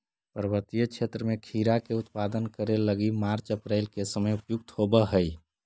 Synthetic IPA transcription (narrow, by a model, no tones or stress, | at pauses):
pəɾəbət̪ijəkʰet̪ɾəmẽkʰiɾakeʊt̪pad̪ənkəɾeləɡimaɾt͡ʃəpɾɛɪlkesəməjupjʊk̚t̪hobəɦəj